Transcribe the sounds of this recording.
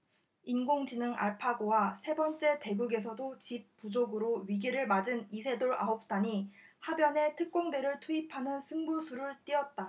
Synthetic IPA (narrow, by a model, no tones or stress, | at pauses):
inɡoŋd͡ʑinɯŋʔa̰ɭpʰaɡowasʰe̞bʌnt͡ɕ͈e̞te̞ɡuɡe̞sʰʌdot͡ɕip̚p͈ud͡ʑoɡɯɾoɥiɡiɾɯɭmad͡ʑɯnisʰe̞doɾa̰ɦop̚t͈aɲihabjʌne̞tʰɯk̚k͈oŋde̞ɾɯɭtʰuipʰanɯnsʰɯŋbusʰuɾɯɭt͈iʌt̚t͈a